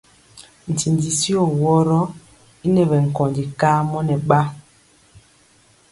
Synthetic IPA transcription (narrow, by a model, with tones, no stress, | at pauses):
n̩˨ti˨ndi˨si˦ɔ˦˨wɔ˦ɾɔ˦ | i˦nɛ˨βɛ˨ŋ̩˨kɔ˨ndi˨kaː˦mɔ˦nɛ˨ɓa˦